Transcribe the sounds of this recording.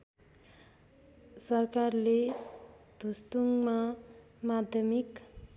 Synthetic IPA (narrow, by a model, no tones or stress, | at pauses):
sʌrkarle | d̪̥ʱust̪uŋma | mad̪ʱjʌmik